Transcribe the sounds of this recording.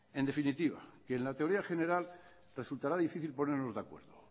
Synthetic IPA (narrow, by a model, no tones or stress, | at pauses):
e̞nd̪e̞finit̪iβ̞a̰keːnlat̪eo̞ɾiaxe̞ne̞ɾal | re̞sult̪aɾaðifiθilpo̞neɾno̞zðeakwe̞̰ɾðo